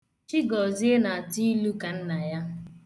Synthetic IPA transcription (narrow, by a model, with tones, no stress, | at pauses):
t͡ʃi˦ɡɔ˨zi˦e˦na˨a˨ti˦lu˦ka˨n̩˦na˨ja˦